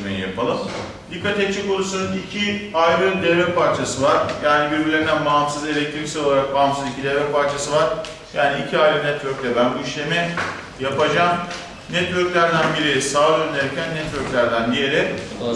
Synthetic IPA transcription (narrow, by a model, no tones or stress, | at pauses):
mḛjḭjapʰalˠɯm | d̪ikʰːat̪ɛtt͡ʃʰːikonusununicʰiajlˠɯd̪evɾɛpʰaɾt͡ʃʰasɯvaɾ̥jaːnibiɾbilʲend̪ænbaɦmsɯze̞lʲɛc̚t̪ʰɾimsilolˠaɾak̚baɦmsɯzicʰid̪evɾɛpʰaɾt͡ʃʰasɯvaɾ̥ | jaːniːcʰiajlˠɯnɛt̪vøɾcʲlʲɛbænbuiʃlʲe̞mɛ | japad͡ʒaːm | nɛt̪vøɾcʲlʲæɾd̪ænbiɾijsaːønʲeɾecʰænːɛt̪vøɾcʲlʲæɾd̪ænd̪ije̞ɾɛ